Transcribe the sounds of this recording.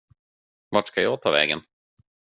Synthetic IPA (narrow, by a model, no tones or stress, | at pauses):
vaʈʂkajɑːɡ̚t̪ʰɑːvɛ̰ːɡən